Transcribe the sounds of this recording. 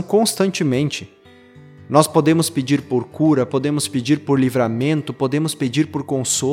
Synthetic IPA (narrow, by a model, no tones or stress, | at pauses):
w̃kõst̪ɐ̃nt͡ʃɪmẽnt͡ʃɪ | nɔspod̪ẽmʊsped͡ʒiɾpoɾkuɾɐpod̪ẽmʊsped͡ʒiɾpoɾlivɾamẽnt̪ʊpod̪ẽmʊsped͡ʒiɾpoɾkõso